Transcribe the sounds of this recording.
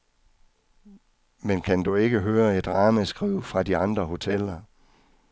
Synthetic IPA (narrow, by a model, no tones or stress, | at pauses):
menkʰænd̥ue̝ɡ̥əɦøːɐe̝d̥ʁɑ̈ːməsɡ̥ʁiʊ̰fʁɑ̈diɑ̈nd̥ʁɐɦo̝t͡sʰel̰ɐ